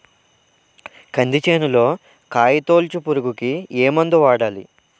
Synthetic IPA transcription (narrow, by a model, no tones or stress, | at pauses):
kɐnd̪it͡ʃeːnulo̞ː | kaːjit̪o̞ːlt͡ʃupuɾuɡukieːmɐnd̪uʋaːɽaːlḭ